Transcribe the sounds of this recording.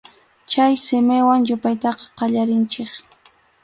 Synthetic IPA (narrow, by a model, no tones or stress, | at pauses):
t͡ʃajsɪmɪwaŋjʊpajt̪ɑqɑ̥qɑʎaɾɪnt͡ʃɪχ